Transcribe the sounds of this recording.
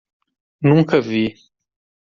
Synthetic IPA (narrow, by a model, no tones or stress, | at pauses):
nũŋkəvi